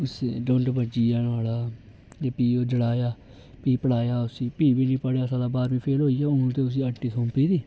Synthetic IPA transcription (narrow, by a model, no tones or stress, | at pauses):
ʊseːɖõːɳʈbəd͡ʒiːaːnaːlaː | d͡ʒeːpiːoːd͡ʒəɽaːjaː | piːpəɽaːjaːʊsĩːpiːʋiːnĩːpəɽjaːsãːd̪aːbaːɾʋĩːpʰeːlɦoːiːaːʊnũːt̪eːʊs̬iːəʈːiːsʰõːmpiːd̪iː